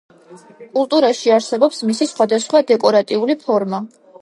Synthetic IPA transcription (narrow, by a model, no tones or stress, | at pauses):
kʼulˠt̪ʼuɾaʃiaɾsɛbɔpsmisisχwad̪asχwad̪ɛkʼɔɾat̪ʼiulipʰɔɾma